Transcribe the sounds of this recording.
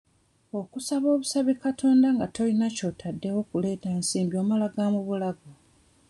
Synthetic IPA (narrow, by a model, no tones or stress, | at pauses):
o̞kusaβo̞ːβusaβikatʰo̞ːndaŋɡato̞linaco̞tʰadːe̞wo̞kule̞ːtansiːmbjo̞malaɡamuβulaɡo